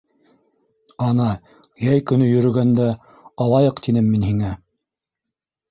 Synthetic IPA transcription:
ɑnɑ | jæjkɵ̆nɵjɵ̆ɾɵ̆ɡænd̪æ | ɑlˠɑjɤqt̪inɘmːinhiŋæ

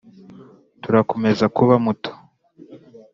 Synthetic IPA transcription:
tuɾako̞me̞zakuβamuto̥

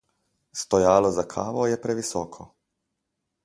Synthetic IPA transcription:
st̪ɔjaːlɔzakʰaːʋɔjɛpɾɛʋisɔːkʰɔ

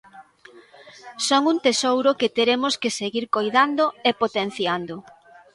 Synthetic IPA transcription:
soŋunt̪esowɾoket̪eɾemʊskeseɣiɾkojðand̪oepot̪en̟θjand̪o

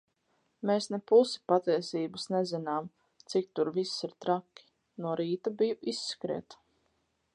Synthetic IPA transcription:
meːsnepusi̥pat̪iɛsiːbasnɛzinaːm | t̪sik̚t̪uɾvisːiɾt̪ɾakʲːi̥ | nuɔɾiːt̪abijuʔisːkɾḭːt̪

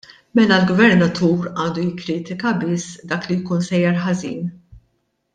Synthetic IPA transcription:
mɛlɐlɡvɛɾnɐt̪ʰuːɾɐːnd̪ujɪkːɾiːt̪ɪkɐbɪsːd̪ɐːklijkuːnsɛjːɐɾħɐzḭːn

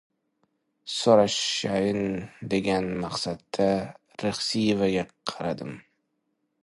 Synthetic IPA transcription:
soɾaʃajɪnd̪e̞ɡʲanmɑqsad̪ːa | ɾeχsijevaɡʲaqʰɑɾad̪ɪm

